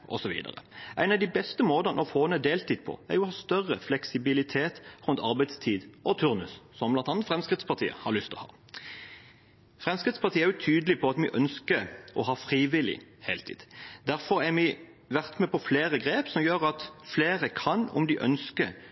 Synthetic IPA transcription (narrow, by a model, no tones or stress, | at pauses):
ʔɔ̰sɔʋḭːd̪ə̰ʁə̰ʔæ̰ɪnɑʋd̪ɪbɛst̪əmoːd̪ɑnɔfoːnɛd̪eːlt̪ʰiːd̪̚pʰɔ̰æ̰ɾjʊhɑːst̪œʁəflɛksɪbɪlɪt̪ʰeːt̪ʁʉnt̪ɑɾbæɪd̪st̪ʰiːd̪ʔɔt̪ʰʉʁnʉssɔmblɑnt̪ɑnət̪fʁɛmskʁɪt̪spʰɑt̪ʰiːə̰hɑɾlʏst̪ɔhɑ̰ː | fʁɛmskʁɪt̪spʰɑt̪iːəæɾjʊt̪ʰyːd̪əlɪpʰɔɑt̪mɪʔœnskəʔɔɦɑːfʁiːʋɪlɪ̰heːlt̪ʰḭːd̪̥d̪æɾfɔɾæɾmɪ | ʋæʁt̪mɛpʰɔfleːɾəɡʁeːpsɔmjøːʁɑt̪fleːʁəkʰɑnʊ̰md̪ɪʔœ̰nskə